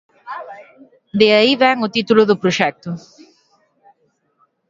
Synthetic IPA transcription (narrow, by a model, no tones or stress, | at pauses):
d̪eɐiβɛŋʊt̪it̪ulʊðʊpɾoʃɛk̚t̪ʊ